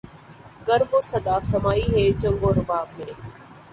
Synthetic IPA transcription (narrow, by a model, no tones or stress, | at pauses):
ɡəɾboːsɐd̪aːsɐmaːiːɦeːt͡ʃə̃ŋɡoːɾɐʋaːb̚mẽː